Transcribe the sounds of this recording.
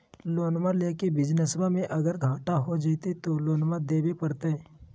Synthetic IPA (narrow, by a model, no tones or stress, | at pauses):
loːnmaleːkebɪd͡ʒnəsbamẽʔɐɡəɾɡʱaːʈaɦod͡ʒit̪et̪oloːnmad̪eːbepɐɾt̪eɛ